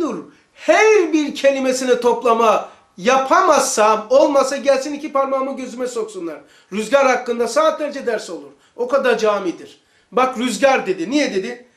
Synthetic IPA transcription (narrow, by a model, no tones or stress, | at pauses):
uɾ | hæɾbiɾcʰe̞lʲimesinɛt̪ʰo̞plˠama | japʰamasamo̞lˠmasaɟælʲsinicʰipaɾmamɯɟø̞zymɛso̞ksunlˠaɾ̥ | ɾyzɟaɾhakːɯnd̪asaːt̪̚d̪ʲeɾed͡ʒɛd̪æɾso̞lˠuɾ̥ | o̞kad̪aɾd͡ʒaːmid̪iɾ̥ | bakɾyzɟaɾd̪e̞d̪inijɛd̪e̞d̪i